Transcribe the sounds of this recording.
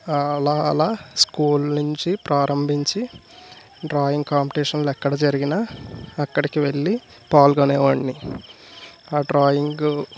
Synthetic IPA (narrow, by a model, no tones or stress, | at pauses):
ɐlaːlaːskuːlnuɲt͡ʃipɾaːɾɐmbʱiɲt͡ʃi | ɖɾaːjiŋɡ̚kaːmpiʈiːʂɐnlɛkːɐɽɐd͡ʒɐɾiɡinɐːkːɐɽikiʋe̞ɭːi | paːlɡɐnɛːʋaːɳːi | aːɖɾaːjiŋɡu